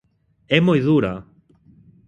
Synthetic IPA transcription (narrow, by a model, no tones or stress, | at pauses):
emojðuɾa